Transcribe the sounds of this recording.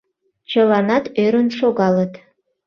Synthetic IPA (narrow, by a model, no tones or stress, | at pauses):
t͡ʃʰəlɑnɑt̪ʰøɾənʂoɡɑlət̪